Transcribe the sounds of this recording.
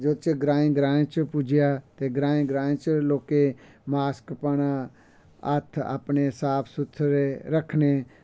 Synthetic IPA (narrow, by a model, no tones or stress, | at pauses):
d͡ʒəd̪t͡ʃəɡɾãːĩɡɾãːt͡ʃpʊd͡ʒɪjaːt̪eːɡɾãːĩɡɾãːẽt͡ʃloːke | maːskpəɽ̃a | ət̪ʰa̰pnesaːpʰsʊt̪ʰɾeɾəkʰneː